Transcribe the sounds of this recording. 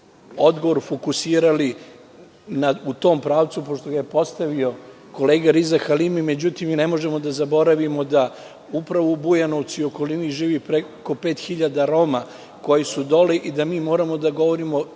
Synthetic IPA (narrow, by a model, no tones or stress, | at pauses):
o̞d̪ɡo̞ʋoɾfokusiːɾali | naut̪o̞ːmpɾaːʋt̪supo̞ʃt̪o̞ɡajepo̞st̪aʋio̞ | ko̞leːɡaɾizaxalimime̞d͡ʑut̪imnemo̞ʒemod̪azabo̞ɾaʋimo̞d̪a | upɾaʋoubujanoʋt̪sio̞ko̞liniʒiːʋipɾeko̞peːt̪xiʎad̪aɾo̞ːma | ko̞jisud̪o̞leʔid̪amiːmo̞ːɾamo̞d̪aɡo̞ʋo̞ɾimo̞